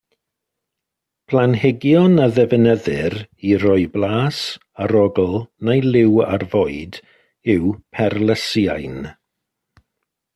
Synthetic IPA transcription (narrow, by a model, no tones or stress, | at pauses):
pʰlˠanhɛɡjɔnaðɛvənəðɪɾiɾɔɨblˠaːs | aɾɔɡl̩ˠnajlˠɪwa̰rvoːɨd | ɪwpʰɛrləsjajn